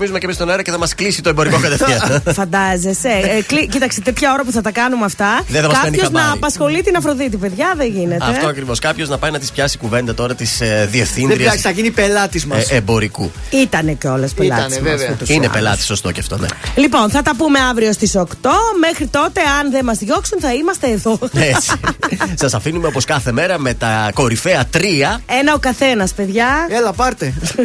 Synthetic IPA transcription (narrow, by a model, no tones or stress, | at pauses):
mizumecemist̪oneɾɐceθɐmɐsklisit̪o̞embo̞ɾikokɐt̪efɐfɐnd̪ɐzeseklicit̪ɐkset̪et̪çɐo̞ɾɐp̬uθɐt̪ɐkɐnumɐft̪ɐðeθɐmɐsksɐeniçoɐznɐːipɐsxo̞lit̪inɐfɾo̞ðit̪ipe̞ðʝɐðeɲʝinetɐft̪oɐkɾivo̞skɐpço̞znɐpɐjnɐt̪i̥spçɐsikuve̞nd̪ɐt̪o̞ɾɐt̪isðiefθinɾiɐsɐinipelɐt̪izmebo̞ɾikuit̪ɐneceo̞lespelɐɐsvt̪usinepelɐt̪iso̞st̪o̞ceɐft̪o̞̰nḛlipo̞nθɐt̪ɐpume̞ɐvɾio̞st̪iso̞kt̪o̞me̞xɾit̪o̞t̪e̞ɐnðemɐzðʝo̞ksunθɐimɐst̪eːðo̞essɐsɐfinumeopo̞skɐθe̞me̞ɾɐme̞t̪ɐko̞ɾifeɐt̪ɾiɐe̞nɐo̞kɐθe̞nɐspe̞ðʝɐelɐpɐɾt̪e